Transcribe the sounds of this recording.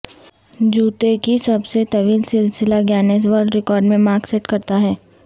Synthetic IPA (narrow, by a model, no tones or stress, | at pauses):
d͡ʒuːt̪ekisɐbset̪ɐʋiːlsɪlsɪlaɡjaːnes̬ʋəɾɖɾɪkɔːɾɖmẽmaːɾkseʈkɐɾt̪aɦɛː